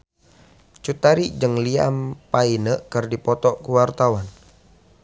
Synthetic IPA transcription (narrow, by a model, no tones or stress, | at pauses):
t͡ʃut̪aɾid͡ʒɨŋlia̰mpainəʔkərdipɔt̪ɔʔkuwart̪awan